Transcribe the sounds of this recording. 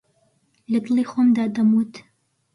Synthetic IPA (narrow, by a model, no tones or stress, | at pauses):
lɐd̪ɨlˠiːxomd̪aːd̪ɐmut̪